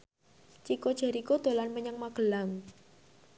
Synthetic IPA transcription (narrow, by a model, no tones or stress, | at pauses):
t͡ʃikod̥ʒ̥a̤ɾikod̪̥o̤lanməɲaŋmaɡ̥ə̤laŋ